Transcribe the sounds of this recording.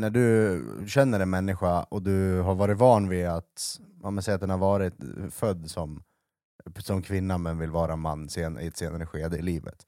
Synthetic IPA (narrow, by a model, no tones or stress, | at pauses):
næɖɵɕɛnːəɾɛnmɛnːɪɧaɔd̪ɵɦaɾvɑːɾɪt̪vɑːɳvɪat̪ːmɛnsɛjːat̪d̪ɛnhaɾvɑːɾɪt̪fœd̪ːsɔm | sɔmkʰvɪnːamɛnvɪlvɑːɾamanːseːnɪ̰ɛt̪seːnaɾəɧeːd̪əɪliːvə̰t̪